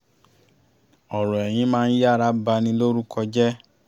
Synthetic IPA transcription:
ɔ˨ɾɔ̃˨ɛ˨j̃ĩ˧˦mãː˦n̩˦ja˦˨ɾa˦ba˧nĩ˧lo˦ɾu˦kʰɔ˧d͡ʒɛ˦

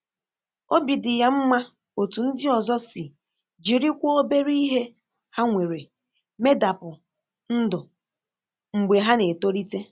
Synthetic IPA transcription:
o˦bi˨dɪ˨ja˦m̩˦ma˦ | o˨tu˨n̩˦dɪ˦ɔ˨zɔ˦sɪ˨ | d͡ʒi˨ɾi˦kʷɔ˦o˦be˦ɾi˦i˦ɦe˦ | ha˦ŋʷe˨ɾe˨ | me˦da˨pʊ˨ | n̩˦dʊ˨ | ŋ͡m̩˨ɡ͡be˨ɦa˦ne˨to˦ɾi˦te˦

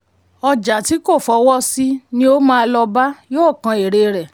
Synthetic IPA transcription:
ɔ˧d͡ʒa˨ti˨˦ko˦˨fɔ˨˦wɔ˦si˦nĩ˧˦o˦mãː˦˧lɔ˧ba˦joː˦˨kã˧e˨ɾe˧ɾɛ˨

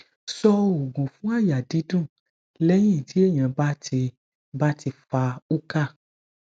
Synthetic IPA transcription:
sɔ˧o˨ɡũ˨fũ˨˦a˦˨ja˨di˨˦dũ˦˨ | lɛ˦j̃ĩ˦˨tʰi˨˦e˦˨ɲ̃ã˨ba˦te˧ | ba˦ti˧fa˧u˦ka˦˨

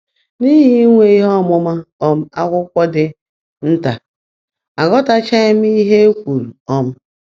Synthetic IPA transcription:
ni˦ɦi˦ŋʷe˨i˦ɦɔ˦˨mʊ˦ma˦ɔ˦m̩˦a˦kʷʊ˦kʷɔ˦dɪ˦ | n̩˦ta˨ | a˨ɡɔ˦ta˦t͡ʃa˦m̩˦i˦ɦe˦kʷu˨ɾu˨ɔ˦m̩˦

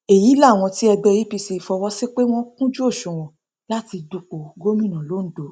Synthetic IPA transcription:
e˨ji˨˦la˦˨w̃ɔ̃˧ti˦ɛ˧ɡ͡bɛ˧ɾi˦pi˧si˨˧˨fɔ˧wɔ˦se˦k͡pe˦w̃ɔ̃˦kũ˦d͡ʒu˦o˦˨ʃũ˨w̃ɔ̃˨ | la˦ti˧du˧k͡po˨ɡo˦mĩ˦˨nã˨lo˨˦n̩˦do˨˦

